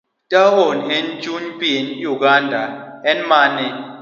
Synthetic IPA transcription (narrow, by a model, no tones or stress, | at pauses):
tʼaɦonent͡ʃʼuɲpʼienjuk̬andʱaɛnmanɛ